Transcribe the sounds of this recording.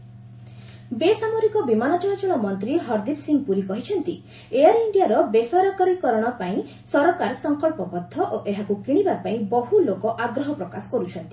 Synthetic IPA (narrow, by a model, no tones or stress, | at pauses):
besamoɾikɔbimanɔt͡ʃɔɭat͡ʃɔɽ̃ɔmɔnt̪ɾiɦɔɾd̪ipsiŋɡ̚puɾikɔɦit͡ʃʰɔnt̪i | ejaɾiɳɖijaɾɔbesɔɾɔkaɾikɔɾɔɽ̃ɔpaĩ | sɔɾɔkaɾɔsɔŋkɔɭpɔbɔd̪ʱːɔʔoʔeɦakukiɽ̃ibapaĩbɔɦulokɔʔaɡɾɔɦɔpɾɔkasɔ̥kɔɾut͡ʃʰɔnt̪i